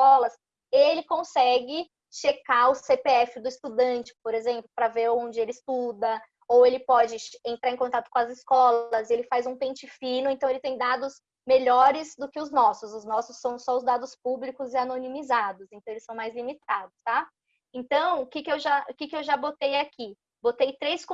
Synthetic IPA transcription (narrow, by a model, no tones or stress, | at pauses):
kɔlɐs | elɪkõsɛɡɪ | ʃekaʊsepeɛfɪd̪ʊɪst̪ud̪ɐ̃t͡ʃɪ̥poɾezẽmplʊpɾɐveɾoõd͡ʒɪelɪist̪ud̪ɐ | owelɪpɔd͡ʒɪẽnt̪ɾaɾẽkõt̪at̪ʊkõɐzɪskɔlɐzelɪfajzũpẽnt͡ʃɪfĩnʊẽnt̪ɐ̃w̃elɪt̪ẽj̃d̪ad̪ʊs | meʎɔɾɪzd̪ʊkɪʊznɔsʊzʊznɔsʊsːɐ̃w̃sɔʊzd̪ad̪ʊspublikʊzɪanonimizad̪ʊsẽnt̪ɐ̃w̃elɪsɐ̃w̃majzlimit̪ad̪ʊst̪a | ẽnt̪ɐ̃w̃ʊkɪkɪewʒaʊkɪkɪewʒabot̪ejaki | bot̪ejt̪ɾejsk